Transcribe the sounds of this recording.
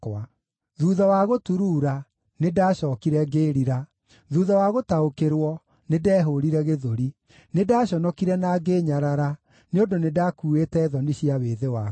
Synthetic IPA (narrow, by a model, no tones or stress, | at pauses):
a | ðuːðawaɣotuɾuːɾa | nedaːɕɔːkiɾɛɡeːɾiɾa | ðuːðawaɣotaokeɾwɔ | nedɛːɦoɾiɾɛɣeðoɾi | nedaːɕɔnɔkiɾɛnaɡeɲaɾaɾa | neondonedakuːetɛðɔniɕiaweːðewa